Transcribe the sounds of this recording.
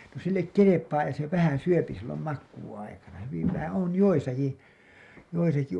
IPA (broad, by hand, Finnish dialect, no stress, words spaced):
no silːek kelepɑː jɑ se ʋæhæn̞ syøpi silːom mɑkːuːɑikɑnɑ hyʋiʋ ʋæhæ on joisɑki joisɑki